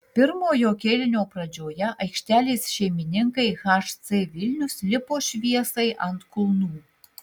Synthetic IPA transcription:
pʲərmojokʲelʲɘ̆nʲoprɑd͡ʑojɑʔəjkʃt̪ʲælʲesʲʃemʲinʲɘ̆ŋkəjxɑʃt͡sevʲilʲnʲuslʲɘ̆poʃβiesəjʔɑ̰nt̪kulˠnu

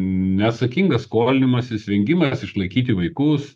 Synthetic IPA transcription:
nʲɛɐːt̪sɐkʲiŋɡɐskoːlʲɪnʲɪmɐsɪsʲʋʲɛŋʲɡʲɪmɐsɪʃlˠɐɪkʲiːt̪ʲɪʋɐɪkʊs

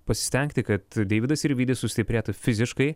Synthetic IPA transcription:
pɐsʲɪ̥st̪ʲɛŋʲkt̪ʲɪkɐt̪d̪ʲɛɪʋʲɪd̪ɐsɪɾʋʲiːd̪ʲesʊsʲt̪ʲɪpʲɾʲeːt̪ʊfʲɪzʲɪʃkɐɪ

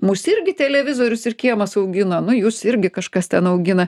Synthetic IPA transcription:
mʊsɪɾʲɡʲɪt̪ʲɛlʲɛʋʲɪzoːɾʲʊsɪrkʲiɛmɐsɐʊɡʲɪnoːnʊjʊsɪɾʲɡʲɪkɐʃkɐst̪ʲɛnɐʊɡʲɪnɐ

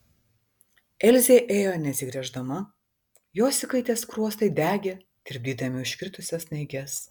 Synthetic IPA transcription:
ɛlʲzʲeːʔeːjoːnʲɛsʲɪɡɾʲɛʒd̪ɐmɐ | joːsʲɪkɐɪt̪ʲeːskɾuɔst̪ɐɪd̪ʲæːɡʲeː | d̪̥ʲɪɾʲb̚ʲd̪ʲiːd̪ɐmʲɪʊʃʲkʲɾʲɪt̪ʊsʲɛsnʲɐɪɡʲɛs

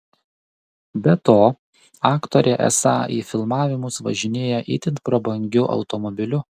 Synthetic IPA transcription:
bʲɛt̪oː | ɑːkt̪ɔɾʲeʔɛ̰sɑ̰ːiːfʲɪlˠmɑːʋʲɪmʊsʋɐ̰ʒʲɪnʲeːjɛʔḭːt̪ʲɪnt̪̚pɾɔbɐŋʲɡʲʊʔɐ̰ʊt̪ɔmɔbʲɪlʲʊ

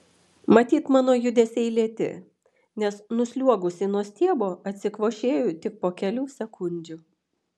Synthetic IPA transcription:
mɐt̪ʲiːt̪mɑːnoːjʊd̪ʲɛsʲɛɪlʲiɛt̪ʲɪ̰ | nʲɛsnʊsʲlʲuɔɡʊsʲɪnuɔsʲt̪ʲiɛboːɐt̪ʲsʲɪkʋoːʃʲeːjʊt̪ʲɪk̚poːkʲɛlʲuːsʲɛkʊnʲd͡ʒʲʊ

